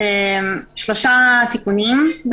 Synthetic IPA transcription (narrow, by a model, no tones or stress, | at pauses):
emʃloʃat̪ikunimb